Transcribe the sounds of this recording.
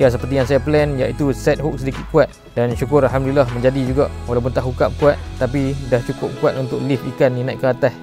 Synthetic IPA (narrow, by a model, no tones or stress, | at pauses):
jas̬əpərt̪ijaŋsajaplɛnjaʔit̪usɛt̪̚ɦʊk̚sədikɪt̪̚kuat̪̚ | danʃukʊɾalɦamdlilahməɲd͡ʒadid͡ʒuɡaʔwalawp̬ʊnt̪aʔɦukap̚kuat̪̚ːap̬idaht͡ʃukʊp̚kuat̪unt̪ʊklifikaninãʔ̪kəat̪as